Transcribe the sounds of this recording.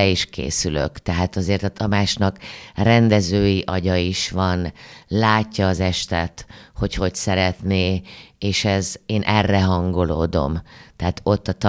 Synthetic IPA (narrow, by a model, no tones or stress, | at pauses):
ɛiʃkʰḛːsylø̰kt̪ɛɦaːt̪ɒzeːrt̪ɒt̪ʰɒmaːt͡ʃnɒkrɛnd̪ɛzøːjiʔɒɟɒiʃʋɒnlaːcːɒːzɛʃt̪ɛt̪ho̞cho̞csɛɾɛt̪neːeːʃɛzeːnʔɛrːɛɦɒŋɡo̞lo̰ːd̪o̞̰mt̪ɛɦat̪o̞t̪ːɒt̪